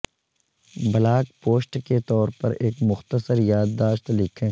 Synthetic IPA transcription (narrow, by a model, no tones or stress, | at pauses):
bɐlaːkpoːsʈket̪ɔːɾpɐ̰ɾeːkmʊxt̪əsəɾjaːd̪ːaːʃt̪lɪkʰẽː